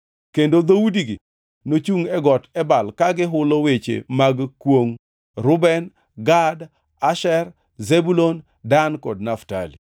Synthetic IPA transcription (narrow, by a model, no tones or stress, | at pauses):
kendod̪owudiɡḭ | not͡ʃuŋɛɡɔtɛbalkaɡɪɦʊlowet͡ʃḛmaɡkwoŋ | ɾʊbɛn | ɡad | aʃɛr | zebulon | dankɔdnafta̰lḭ